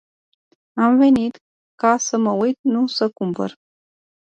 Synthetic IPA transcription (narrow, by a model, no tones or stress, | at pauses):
amvenit̪ | kasəməwujt̪̚nusəkumpə̰ɾ